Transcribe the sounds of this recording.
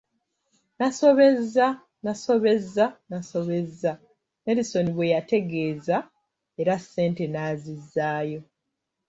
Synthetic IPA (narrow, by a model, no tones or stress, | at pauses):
naso̞βe̞za | naso̞βe̞zanaso̞βe̞za | neɾiso̞niβwe̞jate̞ɡe̞ːza | e̞ɾase̞ːnte̞naːzizːaːjo̞